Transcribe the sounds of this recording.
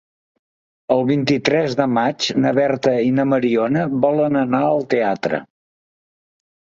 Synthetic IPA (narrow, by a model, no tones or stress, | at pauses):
əlˠβint̪it̪ɾɛzðəmat͡ʃnəβɛrt̪əinəməɾionəβɔlənənaəlˠt̪eat̪ɾə̰